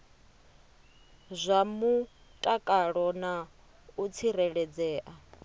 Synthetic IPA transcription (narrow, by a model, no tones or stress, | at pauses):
zʷamu | tʼakʼaɺɔna | ut͡sʰiɾɛɺɛd͡zɛːʔa